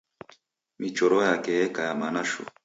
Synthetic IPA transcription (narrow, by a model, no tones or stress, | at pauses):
mit͡ʃoɾojakekajamanaʃo̰